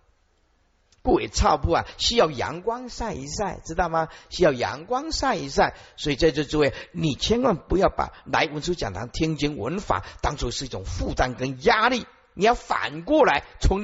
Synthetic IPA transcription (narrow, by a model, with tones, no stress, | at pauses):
ku˥˩we˨˩t͡sʰɑ˥˧ʊpu˥˩ɐ̰˨˩ɕi˥jɑ˥˩ʊjɑ̰˧˥ŋkwɑ˥ŋsa˥˩ɪḭ˧˥sa˥˩ɪʈ͡ʂɻ̩˥t̪ɑ˥˩ʊmɐ˩ɕy˥jɑ˥˩ʊjɑ̰˧˥ŋkwɑ˥ŋsa˥˧ɪi˧˥s̬a˥˩ɪswɔ˧˥i˨˩t͡sa˥˧ʈ͡ʂo˥˧t͡s̩˥˧we˥˩˨ni˨˩t͡ɕʰjɛ˥nkwa˥˩npu˧˥jɑ˥˩ʊpa̰˨˩˦la˧˥ɪwə˧˥nʈ͡ʂʰu˥t͡ɕjɑ̰˨˩ŋt̪ʰɑ̰˧˥ŋt̪ʰi˥ŋt͡ɕi˧˥nwə̰˧˥nfa̰˨˩˦t̪ɑ˥ŋsʰʂɻ̩˥˧i˥˩ʊ˨˩ŋfu˥˧t̪a˥˧nkə˥nja˥li˥˩ | ni˨˩jɑ˥˩ʊfa̰˨˩nkwɔ˥˩la˧˥ɪt͡sʰʊ˧˥ŋ